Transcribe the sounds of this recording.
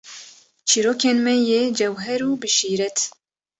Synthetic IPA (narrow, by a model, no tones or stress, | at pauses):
t͡ʃʰiːɾoːkeːnmɛjed͡ʒɛwɦɛɾuːbɨʃiːɾɛt̪